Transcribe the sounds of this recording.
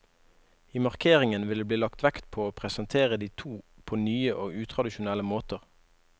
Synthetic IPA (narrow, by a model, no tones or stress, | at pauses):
iːmɑʁkʰeːʁɪŋənʋɪld̪eːbliːlɑkt̪ʋækt̪pʰoːoːpʰʁɛsənt̪ʰeːʁəd̪iːt̪ʰuːpʰoːnyːəʔoːʉːt̪ʰʁɑd̪ɪʃʊnɛləmoːt̪əʁ